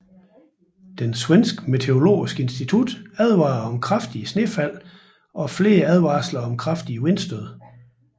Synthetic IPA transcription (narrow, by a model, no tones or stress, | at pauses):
d̥enswensɡ̥me̝t͡sʰe̝o̝lo̝̰ːisɡ̥əe̝nsd̥it͡sʰud̥æð̞ˠʋɑ̈ːɒ̽mkʰʁɑfd̥iəsne̝fæl̰ | ʔɒ̽fle̝ːɐæð̞ˠʋɑ̈ːslɐɒ̽mkʰʁɑ̈fd̥iəwe̝nsd̥øð̞̰ˠ